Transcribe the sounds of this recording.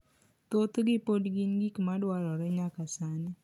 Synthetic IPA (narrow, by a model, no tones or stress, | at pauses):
t̪ot̪ɡɪpodɡinɡikmadwaɾɔɾɛɲakasani